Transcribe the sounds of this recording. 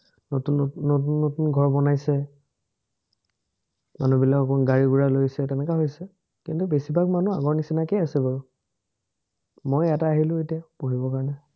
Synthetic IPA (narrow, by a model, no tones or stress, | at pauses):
notunːotunːotunɡʱɔɹbɔnajsɛ | manubilakɔkɔɡaɹiɡuɹalojsɛtɛnɛkaɦojsɛ | kintubesibʱakmanuaɡɔɹnisinakɛasɛbaɹu | mojɛtaaɦilʊ̃etijapoɦibɔkaɹɔnɛ